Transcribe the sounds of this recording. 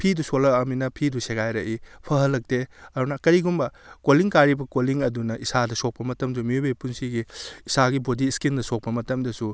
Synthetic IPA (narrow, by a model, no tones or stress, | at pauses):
pʰidusolɐːminɐpʰiduseɡajɾɐʔipʰɐɦɐlːɐk̚teɐɾunɐkɐɾiɡumbɐkoliŋkaɾibɐkoliŋɐdunɐʔisadɐsok̚pɐmɐtɐmdumiubepunsiɡiisaɡibodiskindɐsok̚pɐmɐtɐmdɐsu